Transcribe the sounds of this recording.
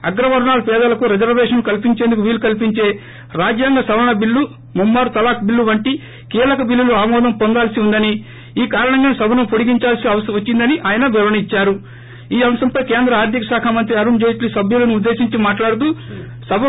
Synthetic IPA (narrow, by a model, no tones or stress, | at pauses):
ɐɡɾɐʋɐɾɐɳaːlɐpɛːd̪ɐlɐkuɾed͡ʒɐɾʋɛːʂɐnkɐlpiɲt͡ʃe̞ːnd̪ukuʋiːlukɐlpiɲt͡ʃe̞ː | ɾaːd͡ʒjaːŋɡasɐʋɐɳɐbilːu | mumːaːɾut̪ɐlaːk̚bilːuʋɐɳʈi | kiːlɐkɐbilːuluaːmɔːd̪ɐmpo̞nd̪aːlsiund̪ɐni | iːkaːɾɐɳɐŋɡaːnsɐbʱɐnɐmpoɽiɡiɲt͡ʃaːlsiɐʋɐsʋɐt͡ʃːind̪ɐniʔaːjɐnɐʋɛʋɐnit͡ʃːaːɾu | iːɐmɐsɐmpɐjkeːnd̪ɾɐaːɾd̪ʰʱjikɐsaːkʰamɐnt̪ɾiɐɾuɳd͡ʒejʈlisɐbʱjulɐniud̪ːe̞ːsiɲt͡ʃimaːʈlaːɽut̪u | sɐbʱɐ